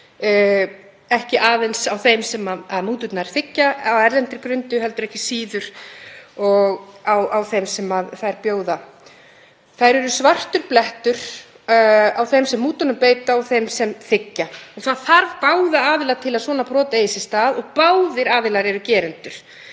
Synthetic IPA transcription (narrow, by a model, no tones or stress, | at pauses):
ɛhcɪʔaːðɛnsawθejmsɛmaðaðmuːt̪ʏt̪naɾ̥θɪcːaawɛɾlɛnt̪ɪɾkɾʏnt̪ʏɦɛlt̪ʏɾɛhcɪsiːðʏɾ̥ | ɔɣawawθejmsɛmaðθajɾpjoːwða | θajɾɛɾʏsvar̥t̪ʏɾplɛht̪ʏɾ̥ | awθejmsɛmːuːt̪ɔnʏmpeːjt̪aawθejmsɛmθɪcːaɔɣθaðθaɾvpaːwðaaːðɪlat̪ʰɪlaðsvɔːnapɾɔːt̪aejsɪst̪aːðɔɣpawðɪɾaːðɪlaɾɛɾʏcɛːɾɛnt̪ʏɾ̥